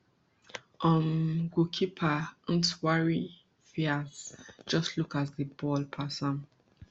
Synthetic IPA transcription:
ʔɔmɡukʰipʰaə̃ntwaɹi | fiazd͡ʒʌstʰlukazðəbɔlpʰasɔ̃n

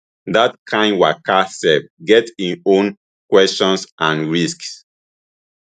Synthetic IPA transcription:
ðat̚kʰãɪ̃nwakʰasɛp̚ɡɛtĩõn | kwɛst͡ʃɔ̃nsʔãnɹisks

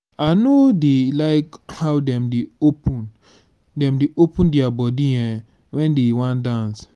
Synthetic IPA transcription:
anodelaɪkhawdɛ̃mdeopũn | dɛ̃mdeʔopũndiabɔdiɛ̃ | wɛ̃ndewãndãns

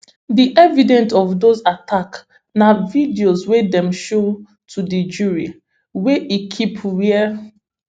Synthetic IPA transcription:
diʔɛvidɛ̃ntɔvdozatʰak | navidiozwedɛ̃mʃo | tʰudid͡ʒuɹi | weʔikʰipwiə

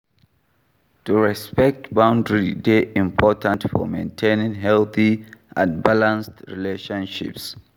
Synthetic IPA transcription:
tuɹɛspɛk̚tbãʊ̃ndɹideʔĩmpʰɔtʰãntfɔ̰mḛ̃ntʰẽnɪ̃ŋɦɛlθiʔãnbalãnstɹḭleʃɔ̃nʃḭps

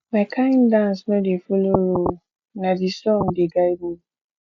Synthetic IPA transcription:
makʰaĩndãnsnɔ̃defoloɾo | nãdisɔ̃ŋdeɡaibo

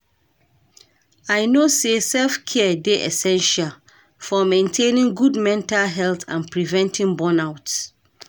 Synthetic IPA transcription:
aɪnosesɛlfkʰɛdeʔɛsɛ̃nʃal | fɔmẽntʰẽnĩŋɡudmɛ̃ntalɦɛltʰã̰npɹivɛ̃ntʰĩŋbɔ̃naʊt

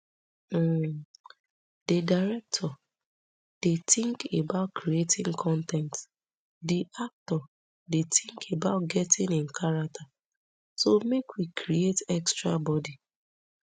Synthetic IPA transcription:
d̥ədaɪɹɛk̚tʰɔ | d̥etĩŋkebaʊtkʰɾietĩŋkʰɔ̃ntɛ̃nt | diʔak̚tɔ | detĩŋkʰebaʊt̚ɡɛtĩnĩnkʰaɹak̚tʰa | somekwikʰɾietɛkstɹabɔdi

